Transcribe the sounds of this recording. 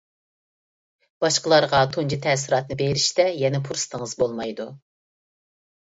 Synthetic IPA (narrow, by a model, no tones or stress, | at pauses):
b̥ɑʃqəlˠɑɾʁɑt̪ʰond͡ʒit̪ʰɛːsɪɾɑt̪̚nɨbeɾiʃt̪ɛjɛnɛpʰuɾsɨ̥t̪ʰəŋəzbolˠmɑjd̪u